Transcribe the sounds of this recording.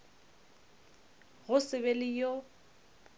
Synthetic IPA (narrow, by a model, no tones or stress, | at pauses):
ɣʊsɪβelɪjo